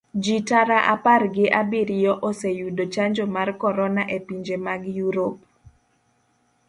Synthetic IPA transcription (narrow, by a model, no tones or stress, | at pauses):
d͡ʒitaɾaʔaparɡɪʔabiɾijɔʔosejudot͡ʃaɲd͡ʒomarkɔɾɔnaʔepiɲd͡ʒemaɡjuɾop̚